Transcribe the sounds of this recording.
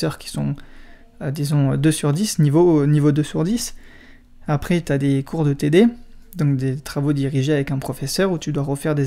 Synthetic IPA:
œʁkʲi̥sɔ̃ | ød̪izɔ̃ød̪øsyʁd̪isnivonivod̪øsyʁd̪is | apχɛt̪yad̪ekʰuʁd̪ət̪ed̪ed̪ɔ̃kd̪et̪χavod̪iʁiʒeavɛkɛ̃pχɔfɛsœʁut̪yd̪waʁəfɛʁd̪e

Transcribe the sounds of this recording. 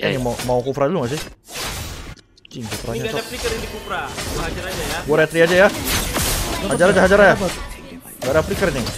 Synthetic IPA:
animamaukufɾaduluŋas̬ɪ | t͡ʃinkufɾaɲaaapikəɾindikufɾaad͡ʒaɾad͡ʒajaɡaɾat̪ɾiad͡ʒaja | had͡ʒaɾad͡ʒaɦad͡ʒaɾaja | ŋɡadaplikəɾini

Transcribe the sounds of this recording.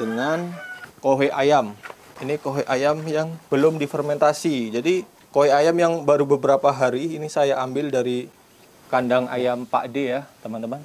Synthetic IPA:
d̥əŋankoɦeʔajaminikoɦeʔajamjaŋb̥əlʊmdifərmɛnt̪asid͡ʒadi | koɦeajamjaŋbaɾubəbəɾapaɦaɾiːnisajaambɪldaɾi | kandaŋa̰jampa̰ʔdejat̪əmant̪əman

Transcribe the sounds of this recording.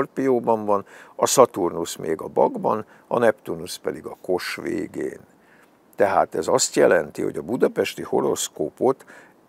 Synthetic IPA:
rpijoːbɒɱvɒnɒsɒt̪urnusmeːɡɒbɒɡbɒn | ɒnɛpt̪urnuspɛd̪iɡɒko̞ʃʋḛːɡḛːn | t̪ɛɦaːt̪ɛzɒst̪jɛlɛnt̪ihoɟɒbud̪ɒpɛʃt̪iho̞ɾo̞skoːpot̪

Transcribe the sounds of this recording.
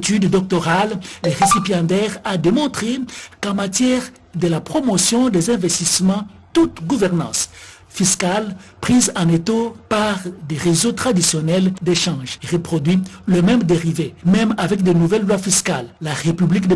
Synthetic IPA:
t̪yd̪d̪ɔk̚t̪ɔʁaldeʁesipjɑ̃t̪ɛʁad̪emɔ̃t̪χekɑ̃mat̪jɛʁ | d̪əlapχomɔsjɔ̃d̪ezɛ̃vɛst̪ismɑ̃ | t̪ut̪ɡuvɛʁnɑ̰̃s | fiskalpχizɑ̃net̪opaʁd̪eʁezot̪χad̪isjɔnɛld̪eʃɑ̃ʒeʁəpχɔd̪ɥiləmɛ̃md̪eʁivemɛ̃mavɛkd̪enuvɛlːwafiska̰lːaʁepyblikd̪ə

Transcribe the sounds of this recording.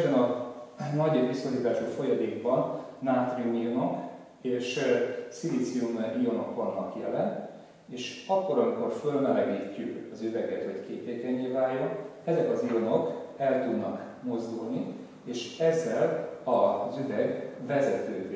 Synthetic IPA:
bɛnɒnɒɟeʋisoliːt̪aːʃufo̞jɒd̪eːɡbɒnːaːt̪rimijono̞k | eːʃsilit̪siumijo̞no̞kːonːɒkjɛlɛnt̪ | eːʃɒkːo̞ɾɒŋiko̞rfølmɛlɛɡiːcːykɒzyvɛɡɛt̪ho̞ckeːt̪eːkɛɲːeːvaːjːo̞nɛzɛkɒzijono̞kɛlt̪ud̪nɒk | mo̞zd̪ulni | eːʃɛzːɛlɒzyvɛɡvɛzɛt̪øː

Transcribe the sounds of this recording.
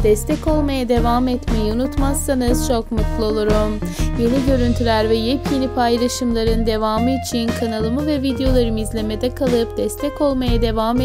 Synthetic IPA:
d̪̥ɛst̪ʰɛco̞lˠmajad̪e̞vaːmɛt̪mejiunut̪masːanɯz̥t͡ʃʰo̞kmut̪lˠo̞lˠuɾumje̞niɟø̞ɾynt̪ʰylʲæɾvɛjɛpjenipʰajlˠaʃɯmlˠaɾɯnd̪e̞vaːmɯit͡ʃʰinkʰanalˠɯmɯvɛvid̪ejo̞lˠaɾɯmizlʲe̞me̞d̪ɛkʰalˠɯp̚d̪̥ɛst̪ʰɛco̞lˠmajad̪e̞vaːm

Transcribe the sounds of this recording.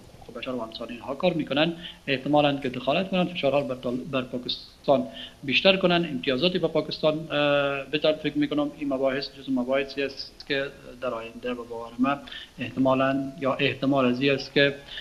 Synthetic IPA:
ʊqʊu̥qebaʃaɾwaɪmsɑniinhɑkɑɾmekʊnaneht̪ɪmɑlankɪd̪ɪxɑlat̪kʊnanfɪʃɑɾhɑbaɾpɑkɪst̪ɑnbeʃt̪aɾkʊnanɪmt̪ijɑzɒt̪ibapɒkɪst̪ɑn | bɪt̪anfɪkɾmikʊnʊmimabɔhɪsd͡ʒʊzmabɔhɪsiast̪ked̪aɾɑjɪnd̪ababɔwaɾɪmaeht̪ɪmɑlanjɑʔeht̪ɪmɑlaziast̪kɪ

